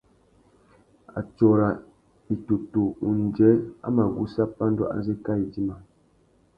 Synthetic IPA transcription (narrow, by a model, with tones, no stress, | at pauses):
a̰˨t͡ʃɔ˨ɾa˨ | i˨tu˨tu˨u˨n˨d͡ʒɛ˨˦la̰˦ma˨ɡu˦sa˦pa˦n˦dɔ˦ʔa̰˦ze˦ka˦i˨d͡ʒi˦ma˨